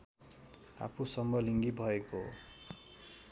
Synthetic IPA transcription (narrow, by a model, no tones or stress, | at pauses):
a̰pʰusʌmbʌliŋɡibʱʌeko